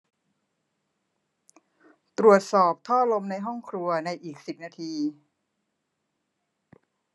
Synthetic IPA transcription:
t̪ɾu˨˩ət̪̚sɔː˨˩p̚t̪ʰɔː˥˩lo˧mna˧jɦɔ˥˩ŋkʰɾu˧ɐna˧jʔiː˨˩k̚si˨˩p̚naː˧t̪ʰiː˧

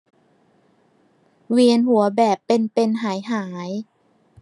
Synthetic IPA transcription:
wi˧ənhu˨˩˦ɐbɛː˨˩pːe˧npe˧nɦaː˩˦jɦaː˩˦j

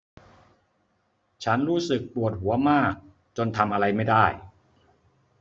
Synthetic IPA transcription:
t͡ɕʰa˦˥nɾuː˦˥sɯ˨˩k̚pu˨˩ət̪̚hu˩˦ɐmaː˥˩k̚ | t͡ɕo˧nt̪ʰa˧mʔa˧ɾa˧jma˥˩jda˥˩j

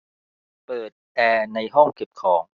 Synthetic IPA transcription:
pɤː˨˩t̪̚ʔɛː˧na˧jɦɔ˥˩ŋke˨˩p̚kʰɔː˩˦ŋ

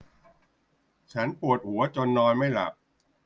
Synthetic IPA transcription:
t͡ɕʰa˦˥npu˨˩ət̪̚hu˨˩˦ɐt͡ɕo˧nːɔː˧nma˥˩jla̰˨˩k̚

